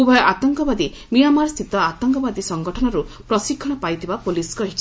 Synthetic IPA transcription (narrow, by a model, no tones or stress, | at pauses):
ubʱɔjɔʔat̪ɔŋkɔbad̪i | mijamaɾɔst̪ʰit̪ɔat̪ɔŋkɔbad̪isɔŋɡɔʈʰɔnɔɾupɾɔsikʰːɔɽ̃ɔpajt̪ʰibapoliskɔɦit͡ʃʰi